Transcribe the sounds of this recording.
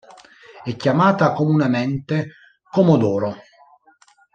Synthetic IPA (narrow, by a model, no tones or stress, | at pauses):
ɛkːjamaːt̪akomunɛmɛnt̪e | komod̪ɔːɾo